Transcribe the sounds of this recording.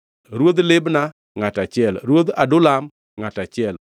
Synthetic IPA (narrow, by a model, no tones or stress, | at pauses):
ɾwod̪lɪbna | ŋatat͡ʃɪɛlɾwod̪adʊlam | ŋatat͡ʃɪɛl